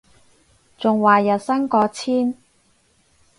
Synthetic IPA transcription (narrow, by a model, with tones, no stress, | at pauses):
t͡sʊ˨ŋwaː˨jɐ˨t̚sɐ˥nkɔː˨˧t͡sʰiː˥n